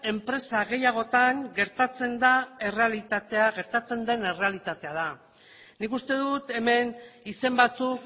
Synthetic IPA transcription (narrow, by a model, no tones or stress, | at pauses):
e̞mpɾe̞saɣe̞jaɣ̞o̞t̪aŋɡe̞ɾt̪at͡se̞nd̪ae̞re̞alit̪at̪eaɣe̞ɾt̪at͡se̞nd̪e̞ne̞re̞alit̪at̪e̞að̞a | nikust̪e̞ðut̪e̞me̞nise̞mbat͡suk